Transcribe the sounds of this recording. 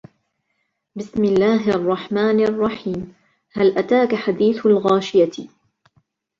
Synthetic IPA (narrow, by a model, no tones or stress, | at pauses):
bɪsmɪlːaːɦʔɑrˤːɑħmaːnʔɑrˤːɑħiːm | halʔat̪aːkaħad̪iːθalɣaːʃɪja